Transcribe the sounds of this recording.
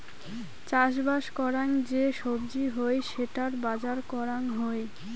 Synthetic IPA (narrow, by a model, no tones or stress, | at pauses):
t͡ɕaʃ̬baʃkɔɾaŋd͡ʑeʃobd͡ʑiɦoeʃeʈaɾbad͡ʑaɾkɔɾaŋɦoe